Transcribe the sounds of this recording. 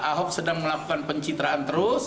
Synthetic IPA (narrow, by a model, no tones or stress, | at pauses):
aɦɔk̚sədaŋməlaku̥kanpəɲt͡ʃit̪ɾaant̪əɾʊs